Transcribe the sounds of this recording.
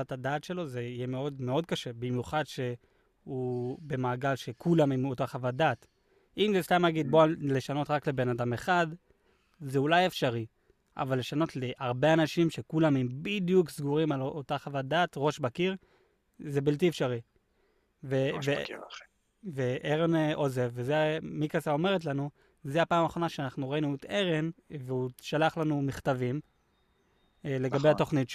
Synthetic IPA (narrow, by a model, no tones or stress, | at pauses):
atadaːt̪ʃe̞lo̞zeijeme̞o̞dme̞o̞d̚kaʃe̞bimjuχadʃe̞ | ube̞maːɡalʃe̞kulamimotaχavad̪at | imzeslamhaɡid̪̚bole̞ʃano̞tʁakle̞be̞nadame̞χad | zeulaje̞fʃaʁi | ʔa̰valːe̞ʃano̞tleʔaʁbeanaʃimʃe̞kulamimbid̪juksɡuʁimalotaχavad̪atʁo̞ʃbakiʁ | ze̞bilt̬iefʃaʁi | veve | veʔeʁenʔo̞zevezemikasao̞me̞ʁet̬lanu | zeapaːmaːχo̞naʃeanaχnuʁainuet̪e̞ʁenveuʃalaχlanumiχt̪avim | le̞ɡabeato̞χnit